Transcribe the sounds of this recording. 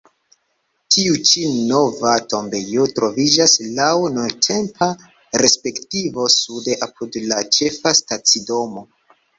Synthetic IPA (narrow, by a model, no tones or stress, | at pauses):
tʰiut͡ʃino̞vato̞mbe̞jotɾo̞vid͡ʒaslawnuntʰe̞mpʰa | ɾe̞spe̞ktivo̞sude̞ʔapʰudlat͡ʃe̞fastat͡sido̞mo̞